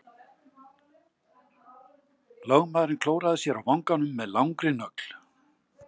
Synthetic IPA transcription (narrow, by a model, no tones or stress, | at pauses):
lœɣmaːðɾɪnkʰloːwɾaðɪsjɛɾawvawŋkanʏmːɛðlawŋkɾɪnœkl̥